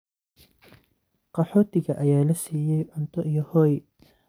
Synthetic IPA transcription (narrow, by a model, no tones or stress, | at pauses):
qɑħɔːt̪ʰɪɣɐʔɐjaːlɐsiːjɛjʕʊnt̪ʰɔʔijɔhɔːj